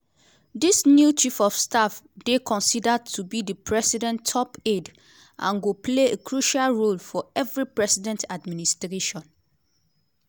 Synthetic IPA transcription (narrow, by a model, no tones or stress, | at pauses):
disnjut͡ʃifɔfstafdekʰɔ̃nsidad̚tʰubidəpʰɹɛsidɛ̃ntʰːɔped | ʔã̰nɡopʰleekʰɹuʃalɹolfɔɛvɹipɹɛsidɛ̃ntʰadministɹeʃɔ̃n